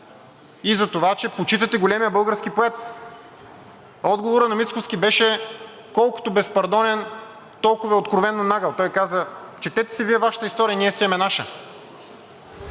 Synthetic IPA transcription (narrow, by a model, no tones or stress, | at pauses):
izɐt̪ovat͡ʃɛpot͡ʃit̪ət̪ɛɡolʲɛmijəbɤlˠɡəɾskipoɛt̪ | ɔd̪ɡovoɾənɐmit̪skofskʲibɛʃɛ | kɔlˠkʊ̥t̪obɛspɐɾd̪ɔnɛn | t̪ɔlˠkʊvɐot̪kɾovɛnːonaɡəlˠt̪ɔjkazət͡ʃɛt̪ɛt̪ɛ̥sɛviɛvaʃət̪əist̪ɔɾijəniɛsɛɛmɛnaʃə̰